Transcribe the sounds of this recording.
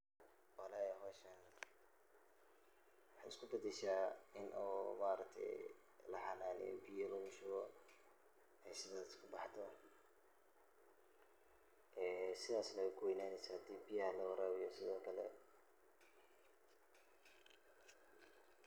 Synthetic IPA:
ʔɑlaːjɦɔːʃɐn | wɑħɑ̰ɪskʰʊbɐd̪ɛʃaːɪnʔɔːmaːɾɐk̚t̪ʰɛ̰j | lɐħɑnaːnɛ̰jɔ̰bijɔlɐɣʊʃʊɣɔ | hɛsɪðaːɪskʰʊbɑħt̪ʰɔ | ʔɛːsɪðaːsnɐwkʰʊwɛjnaːnɛsɐd̪iːbijɐhɐlɐwɐɾaːwɪjɔsɪðɔːkʰɐlɛ̰

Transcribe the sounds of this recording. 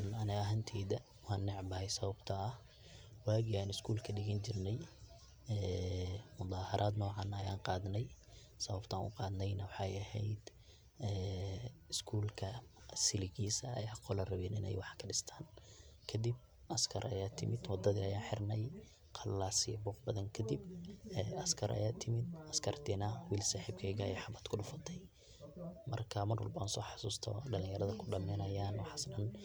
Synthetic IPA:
nɐnɛɐɦɐnt̪ʰɛːðɐ | wɑːnːɪʕbɐhɛjsɐβɐbt̪ʰɐɐh | waːɡɪaːnɪskʰuːlkʰɐɖɪɣɐnt͡ʃɪrnɛj | ɛːmʊd̪ɑːhɐɾʔaːd̪nɔːʕɑnɐjaːnqɑːðnɛj | sɐβɐbt̪ʰaːnʊ̰qɑːd̪nɛjnɐwɑħɑjɐhɛjd̪ | ɛːɪskʰuːlkʰɐsɪlɪɣiːsɐɐjːqɔlɐrɐβɛnɪ̰nɛ̰jwɑħkʰɐɖɪst̪ʰaːnkʰɐd̪ib̚ | ʔɐskʰɐɾɐjaːt̪ʰɪmɪd̪wɑd̪ːɐðḭɐjaːħɪrnɛj | qʰɐlːaːsijbɔːqbɐðɐŋkʰɐd̪ibɛːʔɐskʰɐɾʔɐ̰jaːt̪ʰɪmɪd̪ɐskʰɐrt̪ʰiːnɐwiːlsaːħiːb̚kʰɛːɣɐjɛjħɑbɐd̪kʰʊɖʊfɐt̪ʰɛj | mɐ̰rkʰɐmɐrwɑ̰lbansɔːħɑ̥suːst̪ʰɔ̰ɖɐlɪ̃ŋjɐɾɐðɐkʰʊɖɐmɛnɐjaːnwɑħɑsɗɐn

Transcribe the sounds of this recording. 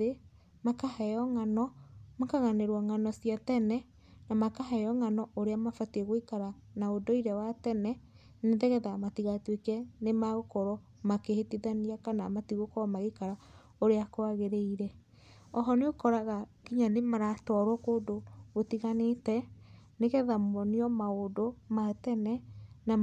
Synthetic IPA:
e | makahɛɔŋanɔmakaɣaneɾwɔŋanɔsijatɛnɛ | namakahɛɔŋanɔʔoɾeamafatɛɣoikaɾa | naodoiɾɛwatɛnɛ | neðɛɣɛðamatiɣatwekɛnemaɣokɔɾɔ | makehetiðaniakana̰matiɣokɔɔmaɣekaɾa | oɾeakoaɣeɾeiɾɛ | ɔɦɔneokɔɾaɣakiɲanemaɾatɔɾwɔkoːdoɣotiɣanetɛneɣɛðamɔniɔmaodomatɛnɛna

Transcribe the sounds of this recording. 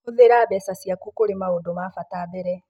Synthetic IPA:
oðeɾaβɛsasjakukoɾemaodomafataːðeɾɛ

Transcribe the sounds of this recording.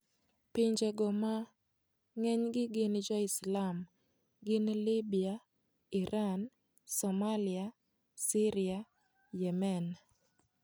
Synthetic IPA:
pɪɲd͡ʒeɡɔma | ŋɛɲɡɪɡɪnd͡ʒɔɪslam | ɡɪnlibia | iɾʔan | sɔmalia | siɾia | jɛmɛn

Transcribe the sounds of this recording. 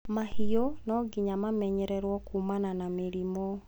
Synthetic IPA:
mahiɔnɔɡiɲamamɛɲɛɾɛɾwɔkumananameɾimɔ

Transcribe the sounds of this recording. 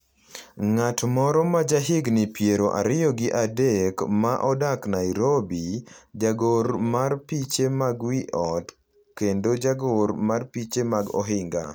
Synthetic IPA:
ŋatmɔɾɔmad͡ʒaɦɪɡnɪpjeɾoʔa̰ɾɪjɔɡɪʔadekmaʔɔdaknaɾobid͡ʒaɡoɾmarpit͡ʃemaɡwiʔɔt | kendod͡ʒaɡoɾmarpit͡ʃemaɡɔ̰ɦɪŋɡa̰

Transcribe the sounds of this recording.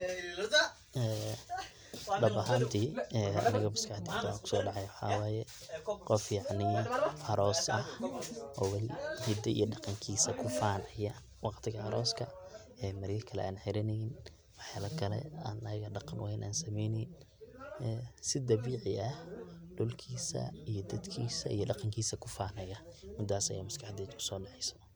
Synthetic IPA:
ɛː | ɖɐbɐɦaːnt̪ʰiːɛːɐ̰nɪɣɐbɪskʰaʕd̪ɪt̪ʰɐwaːkʰʊ̥sɔːɖɑʕɑjwɑħɑ̰ːwaːjɛ | qɔfjɑʕnɪɐɾɔːsɐhʔɔːwɑlɪhɪd̪ɐʔḭjɔɖɑqɑŋkʰiːsɐkʰʊfaːnʕɪjɐ | wɑqt̪ʰɪɣɐɐɾɔːskʰɐ | ɛːmɐɾjɐkʰɐlɛ̰ʔaːnħɛɾɪnɛjɪn | wɑħjaːlɐkʰɐlɛ̰aːnɐjɐɣɐɖɑqɑnwɑhɛnʔaːnsɐmɛjnɛjn | ɛsɪd̪ɐβiːʕɪʔɐhɖ̥ʊlkʰiːsɐ̰ijɔd̪ɐd̪kʰiːsɐ̰ijɔɖɑqɑŋkʰiːsɐkʰʊfaːnɐjɐmɪd̪ːaːsɐ̰jaːmɐskʰɑħd̪ɛːd̪kʰʊ̥sɔːɖɑʕɛjsɔ̥

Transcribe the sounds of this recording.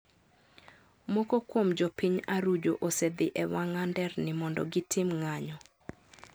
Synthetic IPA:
mɔkokwomd͡ʒopiɲaɾud͡ʒo̰ʔosɛd̪ɪʔɛwaŋandɛrnɪmɔndɔ̰ɡɪtʰɪmŋaɲɔ

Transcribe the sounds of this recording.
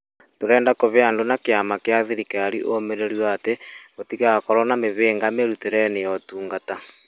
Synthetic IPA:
toɾɛːndakoβeandonakeamakeaðeɾikaɾiʔomeɾeɾwaːteotiɣakɔɾɔnameβeːŋɡameɾuteɾɛːneɔtuːŋɡata

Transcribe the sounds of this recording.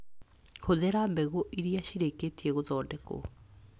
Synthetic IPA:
xoðɛɾambɛɣoʔiɾiaɕiɾeketiɛɣoðɔːdɛko̰

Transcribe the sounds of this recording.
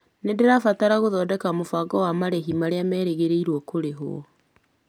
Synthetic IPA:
nedeɾafataɾaɣoðɔːdɛkamofaɡɔwamaɾɛɦimaɾeamɛːɾeɣeɾeiɾwɔkoɾeɦo̰ɔ̰

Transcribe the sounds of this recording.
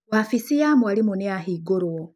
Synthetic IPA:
wafisijamualimuniaɦiɡoɾo

